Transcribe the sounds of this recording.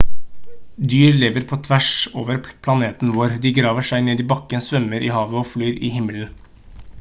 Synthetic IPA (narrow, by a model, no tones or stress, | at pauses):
d̪yːɾleːʋəɾpʰoːt̪ʰʋæʂo̰ːʋəɾpʰlɑneːt̪n̩ʋoːɾd̪iːɡɾɑːʋəʂæɪneːd̪iːbɑkənsʋœməɾʔḭːhɑːʋəoːflyːɾʔiːhɪməln̩